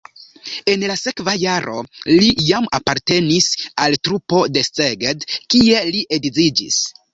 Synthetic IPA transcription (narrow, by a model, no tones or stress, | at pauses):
e̞nlase̞kvajaɾʔo̞̰lijama̰paɾte̞nisaltɾupo̞de̞steɡedkie̞liʔedizid͡ʒḭs